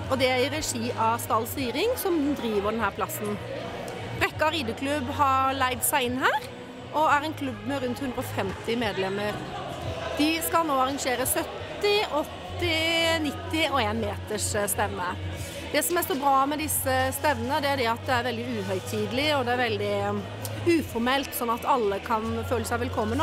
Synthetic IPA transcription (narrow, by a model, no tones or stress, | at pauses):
ɔd̪ɛæɾɾɛʂiːʔɑst̪ɑlːsiːɾɪŋsɔmd̪ɾiːʋəd̪ɛnhæːɾpʰlɑsːn̩ | b̥ɾɛkːəɾiːd̪əkʰlʉbɦɑɾlæɪd̪sæɪɪnːɦæːɾ | ʔɔæɾɛɪnkʰlʉbːmɛɾʉnt̪hʉnd̪ɾəɔfɛmt̪ɪmeːd̪lɛmːəɾ | d̪̥ɪskɑlnoːɑɾɑŋʂeːɾəsœt̪ː | ɪʔɔt̪ːɪnɪt̪ːɪɔeːnmeːt̪əʂst̪ɛmːə | d̪ɛsɔmæɾst̪uːɾbɾɑːmɛd̪ɪsːəst̪ɛʋːənəd̪ɛæɾd̪ɛɑt̪̚d̪ɛæɾʋɛld̪ɪʉːɦœʏt̪ʰiːd̪lɪɔd̪ɛæɾʋɛld̪ɪ | ʉːfɔɾmɛlt̪sɔnːɑt̪ʰɑlːəkʰɑnføːləsæɪʋɛlkʰɔmːən